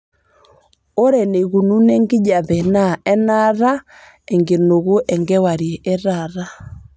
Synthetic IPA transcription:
o˦ɾɛ˨ne˨ɣu˨nu˦nɛ˦ŋɡi˦ɲa˨ðɛ˨na˨ɛ˦na˦ɾa˦ | ɛ˨ŋɡe˨no˨ɣo˦ʔɛ˨ŋɡɛ˦wa˨ɾi˨ɛ˨ʔɛ˦ɾa˨ɾa˦

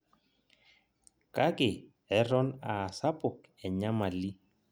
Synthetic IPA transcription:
ka˦kɪ˨ | ɛ˦ɾɔ˦na˨sa˦pʊ˨k | ɛ˨ɲa˦ma˨li˦

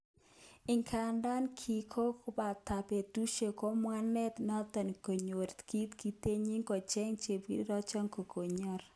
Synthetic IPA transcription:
ɪ˨ŋkʰa˨nda˦nkʰi˨kʰo˦kʊ˦ba˨ta˨pe˨tu˦ʃe˨ko˦mwa˦nɛ˦t̪nɔ˦t̪ɔ˨n˨ko˨ɲo˨ɾt̪ki˦t̪ki˨t̪e˦ɲi˦ŋkɔ˨t͡ʃɛ˦ŋt͡ʃe˨bḭ˦ɾɔ˦t͡ʃɔ˦ŋko˨kʰo˨ɲɔ˦ɾ

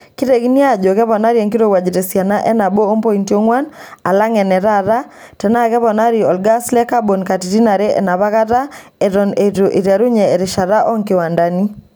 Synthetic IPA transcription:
ki˦ɾɛ˨ɣi˦ni˦a˨ʄo˨kɛ˦βɔ˨na˦ɾi˦ɛ˨ŋki˦ɾo˨wa˨d͡ʒi˨tɛ˨sja˨na˦ʔɛ˦na˨bo˦o˦mpɔ˦i˨nti˦o˦ŋwa˦na̰˨la˦ŋɛ˨nɛ˨ɾaɾa˦ | tɛ˨na˦kɛ˦βɔ˨na˦ɾi˨ɔ˨lɡa˦slɛ˦ka˦bo˨nka˨ti˨ti˦na˨ɾɛ˦ʔɛ̰na˨βa˦ka˦ta˦ | ɛ˨ɾɔ˨ne˨to˨ʔi˨ɾa˨ɾu˦ɲɛ˨ɛ˨ɾe˨ʃa˨ɾa˦ʔɔ˦ŋke˨wa˨nda˨ni˦

